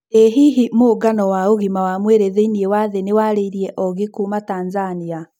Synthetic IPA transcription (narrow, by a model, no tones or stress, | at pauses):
eɦiɦimoːɡanɔwaoɣimawamweɾeðeiniewaðenewaɾeiɾiɛʔɔɣekuːmataːnzania